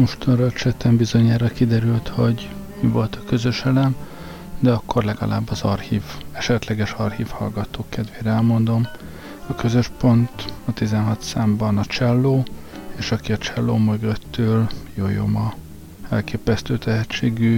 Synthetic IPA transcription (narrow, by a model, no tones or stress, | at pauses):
mo̞ʃt̪ɒnrɒt͡ʃɛt̪ɛmbizo̞ɲaːɾɒkid̪ɛɾylt̪ho̞ɟmivo̞lt̪ɒkø̞zø̞ʃɛlɛm | d̪ɛɒkːo̞rlɛɡɒ̰la̰ːbːɒzɒrhiːvɛʃɛt̪lɛɡɛʃɒrhiːfhɒ̰lɡɒt̪oːkɛd̪ʋeːɾɛɛlmo̞nd̪o̞m | ɒkø̞zø̞ʃpo̞nt̪ɒt̪izɛnɦɒt̪saːmbɒnɒt͡ʃɛlːoː | eːʃɒkiɒt͡ʃɛlːoːmɛɡøt̪ːøːljoːjo̰mɒ | ɛ̰lkeːpɛst̪øːt̪ʰɛɦɛt͡ʃːeːɡyː